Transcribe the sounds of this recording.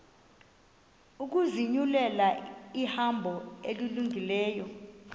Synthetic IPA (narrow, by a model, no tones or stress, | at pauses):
uk̬uziɲulɛlaihambʱɔeliluŋilɛːjɔ